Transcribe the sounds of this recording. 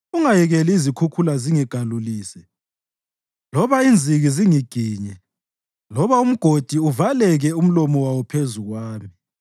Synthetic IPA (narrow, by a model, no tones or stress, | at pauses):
uŋajɛɣɛliizikʰukʰulaziŋiɡ̥ʱaluliːsɛ | lɔβaind͡zʱiɣiziŋiɡ̥ʱiːɲɛ | lɔβaum̩ɡ̥ʱod̥ʱiuvalɛɣɛum̩lɔmɔwawɔpʰezuɣwaːmi